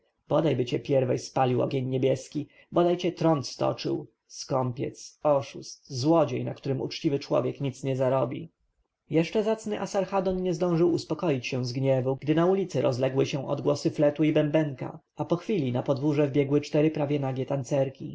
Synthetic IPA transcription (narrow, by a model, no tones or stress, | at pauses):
b̥ɔd̪ajbɘt͡ɕɛpʲjɛɾvɛjspalʲiwɔ̰ɡʲeɲɲɛbʲjɛskʲi | bɔd̪ajt͡ɕɛt̪ɾɔnt̪st̪ɔ̰t͡ʂɘ̰w | skɔmpʲjɛ̰t̪sɔʂust̪zwɔd͡ʑejnakt̪uɾɘmṵt͡ʂt͡ɕivɘt͡ʂwɔ̰vʲjɛkɲit̪sɲɛzaɾɔbʲḭ | jɛʂt͡ʂɛzat̪snɘʔasaɾxad̪ɔnɲɛzd̪ɔ̃w̃ʐɘwuspɔkɔjit͡ɕɕɛw̃zɡɲɛvuɡd̪ɘnaulʲit̪sɘɾɔzlɛɡwɘɕɛ̃ʔɔ̰d̪ɡwɔsɘflɛt̪uibɛmbɛŋka̰ | apɔxfʲilʲinapɔd̪vuʐɛvbʲjɛɡwɘt͡ʂt̪ɛɾɘpɾavʲjɛnaɡʲjɛt̪ant̪sɛɾkʲḭ